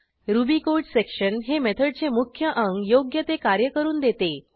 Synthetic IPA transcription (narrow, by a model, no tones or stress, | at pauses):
ɾubikoʈsekʂənɦemet̪ʰəɖ̚t͡semukʰjəʔəŋɡjoɡjət̪ekaɾjəkəɾuːnd̪et̪e